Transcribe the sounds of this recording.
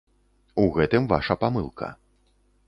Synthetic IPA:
uɣɛt̪ɨmva̰ʂɐpamɨlˠkʰɐ̰

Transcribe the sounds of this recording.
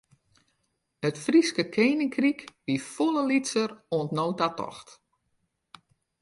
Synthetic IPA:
ətfriskəkʰeːnɪŋkrikbifoləlitsəroəntnowtatɔ̰xt

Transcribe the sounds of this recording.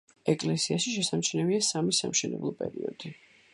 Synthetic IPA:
ɛkʼlɛsiaʃiʃɛsamt͡ʃʰnɛbiasamisa̰mʃɛnɛ̰blˠɔpʼɛ̰ɾiɔ̰d̪i

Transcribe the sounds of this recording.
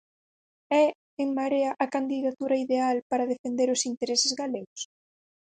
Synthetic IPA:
ɛ | eŋmaɾeaʔakand̪iðat̪uɾaiðealpaɾɐð̞efend̪eɾʊsint̪eɾesɪzɣaleɣʊs

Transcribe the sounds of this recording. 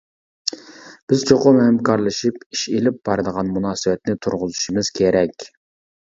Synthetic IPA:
b̥ɪzt͡ʃʰoqʊmhɛmkʰɑɾlˠɨʃipiʃelɪp̚b̥ɑɾɨd̪əʁɑnmunɑːsɨwɛt̪nɪt̪ʰuɾʁʊzuʃimɨz̥kʲʰeɾɛkʲ

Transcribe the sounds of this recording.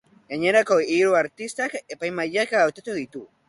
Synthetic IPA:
jaɲeɾakoiɾoaɾt̪ist̪akepajmaʎakaawt̪at̪uðit̪u

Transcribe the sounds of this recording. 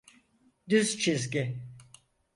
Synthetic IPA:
d̪yzt͡ʃʰizɡʲi

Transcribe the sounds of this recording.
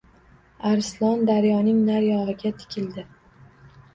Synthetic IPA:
aɾslˠɒnd̪aɾjɒnɪŋnaɾjɒɦɪɡʲat̪ʰɪ̥kʲʰɪld̪ɪ

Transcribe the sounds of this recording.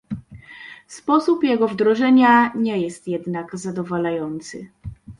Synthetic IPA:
spɔsupjɛɡɔvd̪ɾɔʐɛɲaɲɛjɛst̪jɛd̪naɡzad̪ɔvalajɔnt̪sɘ̰

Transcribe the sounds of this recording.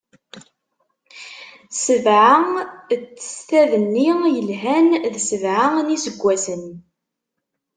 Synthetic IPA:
səvʕaət͡sːə̥sθæðənːijəlɦænðsəvʕanisəɡʷːæsən

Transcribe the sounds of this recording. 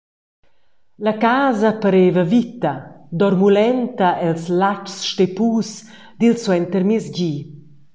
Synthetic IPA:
lakaːzɐpəɾeːvɐvit̪ɐd̪ɔɾmulɛnt̪ɐʔɛlslat͡ʃsʃt̪epuːs | d̪ilswɛnt̪əɾmizɟi

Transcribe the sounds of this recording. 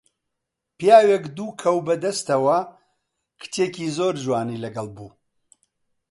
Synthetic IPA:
pjaːwekd̪uːkʰɐwbɐd̪ɐst̪ɐwɐ | kʰɨ̥t̪ʰecizoːɾʒwaːnilɐɡɐlbuː

